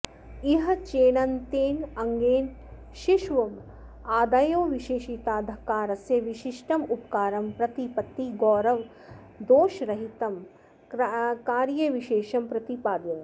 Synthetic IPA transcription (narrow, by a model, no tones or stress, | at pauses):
iɦɐt͡ʃeːɳɐnt̪eːnɐŋɡeːn | ʃiʃʋɐm | aːd̪ajoːʋiʃeːʃit̪aːd̪ʱɐkaːɾɐsjɐʋiʃiʂʈɐmupkaːɾɐmpɾɐt̪ipɐt̪ːiɡɔːɾɐʋ | d̪oːʃɾɐɦit̪ɐm | kaːɾjɐʋiʃeːʃɐmpɾɐt̪ipaːd̪jɐm